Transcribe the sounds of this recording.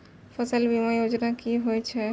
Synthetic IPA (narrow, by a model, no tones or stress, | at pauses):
fʰəsəlbimajod͡ʒnakiɦojt͡ʃʰɛ